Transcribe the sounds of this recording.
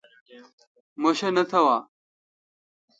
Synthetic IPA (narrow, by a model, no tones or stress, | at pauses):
moɕɐnɐt̪ʰɐwaː